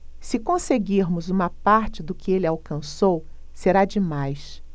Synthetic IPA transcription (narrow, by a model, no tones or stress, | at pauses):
sɪkõseɡiɾmʊzũmɐpaɾt͡ʃɪd̪ʊkɪelɪawkɐ̃sow | seɾad͡ʒɪmajs